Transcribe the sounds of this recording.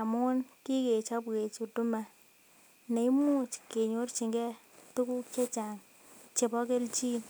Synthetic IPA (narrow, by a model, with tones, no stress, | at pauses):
a˨mʊ˦nki˦ke˨t͡ʃɔ˦pke˨t͡ʃu˨tu˦ma˨ | ne˨i˦mu˦t͡ʃke˨ɲo˦rt͡ʃi˨ŋɡɛ˦ | tu˦ku˦kt͡ʃe˦t͡ʃa˨ŋ | t͡ʃe˨pɔ˦ke˦lt͡ʃi˦n